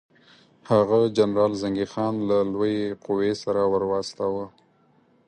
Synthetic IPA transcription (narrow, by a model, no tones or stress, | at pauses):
haɣad͡ʒanɾɑlzaŋɡixɑnlalwojeqʊwesaɾawəɾwɑst̪awə